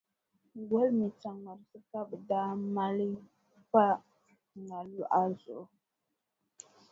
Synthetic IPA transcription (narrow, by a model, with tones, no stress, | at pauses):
wo˦lmi˨t͡ʃa˨ŋa˨ɾsɨ˦ka˦bɨ˨daː˦ma˦li˦ | pa˦˨ | na˨lu˦ʔa˦zʊ˨ʔ